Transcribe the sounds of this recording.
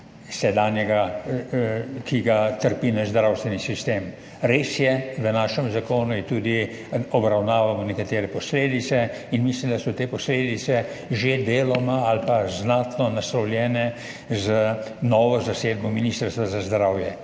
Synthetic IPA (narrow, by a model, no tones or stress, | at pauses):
sɛd̪aːnjɛɡa | kʰiɡat̪əɾpinaʃzd̪ɾawst̪ʋɛnisist̪eːm | ɾeːsjɛʋənaːʃɛmzakoːnuit̪uːd̪i | ɔbɾawnaːʋamɔnɛkat̪eːɾɛpɔsleːd̪it̪sɛ | inmislimd̪asɔt̪eːpɔsleːd̪it̪sɛ | ʒed̪eːlɔmaalpaznaːt̪nɔnasɾɔwljɛːnɛ | zənɔːʋɔzaseːd̪̚bɔminist̪əɾst̪ʋazazd̪ɾawjɛ